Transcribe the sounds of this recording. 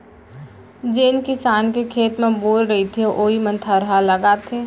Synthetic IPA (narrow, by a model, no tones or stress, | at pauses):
d͡ʒeːnkɪsaːnkekʰeːt̪mẽboːlɾɐɦit̪ʰiʔoːimə̃nt̪ʰaɾɐɦaləɡat̪ʰeː